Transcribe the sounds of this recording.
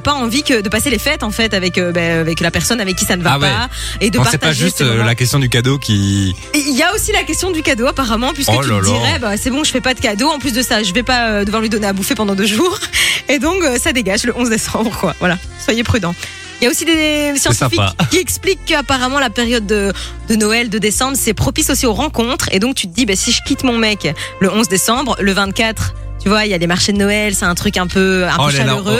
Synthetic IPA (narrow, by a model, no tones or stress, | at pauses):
apaɑ̃vikəd̪əpaselefɛt̪ɑ̃fɛt̪avɛkøbɛvɛklapɛʁsɔnavɛkʲːisanəvaawp | ed̪ə̃paʁsɛt̪paʒyst̪lakʲɛst̪jɔ̃d̪ykad̪okʲʰi | iljaosilakʲɛst̪jɔ̃d̪ykad̪oapaʁamɑ̃pɥiskəlyd̪iʁɛbasɛbɔ̃ʒəfɛpad̪əkad̪oɑ̃plys̬d̪əsaʒəvɛpaød̪əvwaʁlɥid̪ɔneabufepɑ̃d̪ɑ̃d̪øʒuːʁed̪ɔ̃køsad̪eɡaʒləʔɔ̃zd̪esɑ̃bʁəkwavwala | swajepχyd̪ɑ̃ | ljaosid̪esjɑ̃sifikʲːiɛksplikːəapaʁamɑ̃lapeʁjɔd̪ːə | d̪ənɔɛld̪əd̪esɑ̃bʁsɛpχɔpisosioʁɑ̃kɔ̃t̪χḛd̪ɔ̃k̚t̪yt̪əd̪ibɛsiʒəkʲit̪mɔ̃mɛkləɔ̃zd̪esɑ̃bʁləvɛ̃t̪kat̪χ | t̪yvwailjalemaʁʃed̪ənɔɛlsɛɛ̃t̪χykɛ̃pøɛ̃pøʃalløʁø